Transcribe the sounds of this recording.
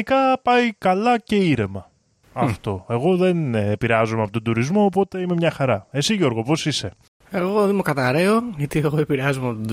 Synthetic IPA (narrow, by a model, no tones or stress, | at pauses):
ikɐpɐjkɐlɐce̞iɾe̞mɐ | ɐft̪o̞e̞ɣo̞ðe̞nːpiɾeɐzomeɐpot̪od̪uɾizmo̞ːpo̞t̪e̞ime̞mɲɐxɐɾɐe̞siʝo̞ɾɣo̞po̞sise̞ | e̞ɣo̞ðemukɐt̪ɐɾe̞oʝɐt̪ieɣoepiɾeɐzomeɐpot̪